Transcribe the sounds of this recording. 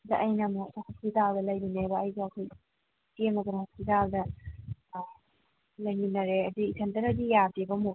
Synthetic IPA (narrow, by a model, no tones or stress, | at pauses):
dɐʔɐjnɐmuhospitaldɐlɐjlunebɐːjɡɐːkʰoj | tenɐɡonhospitaldɐ | lɐjŋinɐɾeɐdiːtʰɐntɐɾɐdijadibɐmu